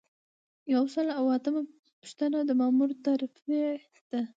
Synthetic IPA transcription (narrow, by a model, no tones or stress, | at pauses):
jawsəlawat̪əma | pu̥ʃt̪anad̪əmɑmuɾt̪aɾfest̪a